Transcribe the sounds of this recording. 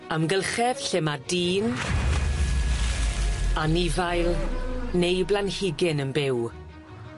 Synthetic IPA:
amɡəlˠχɛv̥ɬemadiːn | anivajlˠnejblanhɪɡɪnənbɪw

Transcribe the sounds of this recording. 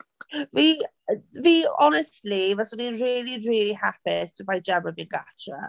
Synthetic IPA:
viː | viːɔnɛstˡlivasəninɹɪːliɹiːlihapɪsʰəbajd͡ʒɛməbinɡat͡ʃə̰

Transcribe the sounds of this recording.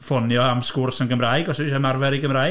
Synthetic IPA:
fɔnjɔamskʊrsanɡəmraːjɡɔsʃɛmarvɛɾiɡəmraː

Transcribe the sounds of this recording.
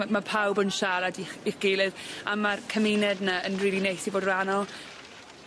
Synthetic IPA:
mapʰawbənʃaɾadiχiχɡ̥eːlˠɨðamarkʰəmɪnɛdnaənriːlˠinejsiboːdranɔlˠ

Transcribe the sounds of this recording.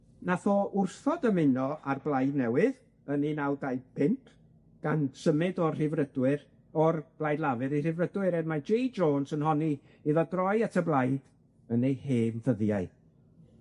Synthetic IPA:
naθɔʔʊrθɔdəmɪnɔʔarblˠajdnɛwɪð | əninawdajpʰɪntʰ | ɡ̥ansəmɪdɔrr̥ɪvrədwɪɾ | ɔrb̥lˠajdˡlˠavɨɾir̥ɪvrədwɨɾɛdmad͡ʒejd͡ʒoːnsənɦɔni | iðɔɡrɔjatʰəblˠajd̥ | ənejheːmvəðjaɨ

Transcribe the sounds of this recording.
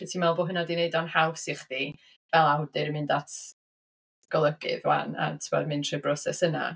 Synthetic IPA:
ɛtʰimɛlˠboːɦənɔdineɨdɔnhawvsɪχd̥i | vɛlˠawdɪɾmɨndatʰ | ɡ̥ɔlˠəɡɪ̰ðwa̰na̰tʰɪmɔ̰dmɨntʰrɨbrɔsɛsəna̰

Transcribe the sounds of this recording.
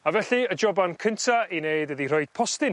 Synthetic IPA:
avɛɬiəd͡ʒɔbankʰəntʰaineɨdəðirɔɨd̥̚pʰɔstɪn

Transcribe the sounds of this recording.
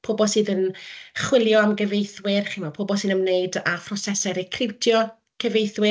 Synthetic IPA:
pʰoːbɔsɨːðənχwɪlˠjɔamɡəvejθwɪrχimapʰoːbɔsɨːnəmnejdafʰrɔsɛsɛɾekʰrɪwtʰjɔ | kʰəvejθwɪ

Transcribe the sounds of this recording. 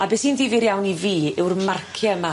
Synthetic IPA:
abɛshiːndiːviɾjawniviːɪwrmarkʰjəma

